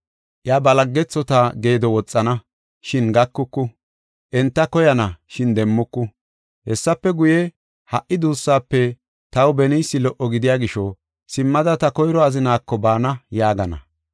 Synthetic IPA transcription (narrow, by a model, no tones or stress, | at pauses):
ʔjabɐlɐɡːɛt͡sːɔt̪aɡe̞ːd̪ɔwɔt͡sʼːɐnɐ | ʃɪnɡɐkːʊkːʊ | ʔɛnt̪ːɐkɔjɐnɐʃɪnd̪ɛmːʊkːʊ | hɛsːɐpːɛɡʊjɛ | hɐʔːɪd̪uːsːaːpːɛ | t̪ɐwbɛnijsːɪlɔʔɔɡɪd̪ɪjaːɡɪʃɔ | sɪmːɐd̪ɐt̪ɐkɔjɾɔɐzɪnaːkːɔbaːnɐjaːɡɐnɐ̰